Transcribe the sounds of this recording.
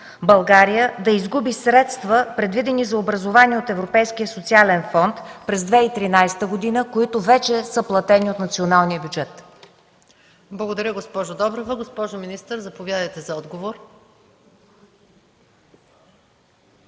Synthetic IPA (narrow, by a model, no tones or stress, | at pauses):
bɐlˠɡaɾijəd̪ɐizɡubisɾɛt̪st̪vəpɾɛd̪vid̪ɛnizɐobɾɐzovaniɛot̪ɛvɾopɛjskijəsot̪sialɛnfɔnt̪pɾɛzd̪vɛit̪ɾinajsɛ̥t̪əɡod̪inəkoit̪ʊvɛt͡ʃɛsəplˠɐt̪ɛniot̪nɐt̪sionalˠnijəbʲjud͡ʒɛt̪ | blˠɐɡod̪ɐɾʲəɡospɔʒod̪ɔbɾovəɡospɔʒominist̪əɾzɐpovʲjad̪əjt̪ɛzɐɔd̪ɡovoɾ